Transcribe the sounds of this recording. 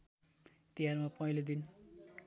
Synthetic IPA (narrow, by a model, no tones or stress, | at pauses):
t̪ijarmapʌɦilod̪in